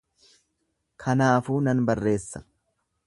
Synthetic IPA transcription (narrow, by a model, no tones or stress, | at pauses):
kʰɐnaːfuːnɐnbɐrːe̞ːsːɐ